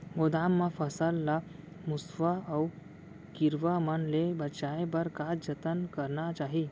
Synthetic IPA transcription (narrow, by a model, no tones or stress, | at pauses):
ɡod̪amːafəsəlːa | musʋaːw | kiɾʋaməɳlebət͡ʃaebəɾkad͡ʑət̪ənkəɾɳat͡ʃaɦi